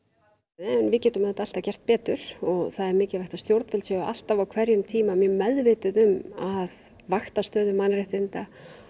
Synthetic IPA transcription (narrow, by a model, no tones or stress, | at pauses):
ɛnvɪðcɛːt̪ʏmaθɛt̪aalt̪acɛr̥t̪̚pɛːt̪ʏɾ̥ɔɣθaðɛɾmɪːcɪvajht̪ast̪jowɾt̪fɪlsɛʏa̰l̥t̪avawkʰvɛɾjʏmt̪ʰiːmamjɛmɛðvɪt̪ʏðʏmað | vaxt̪ast̪œːðʏmanrɪht̪ɪnt̪a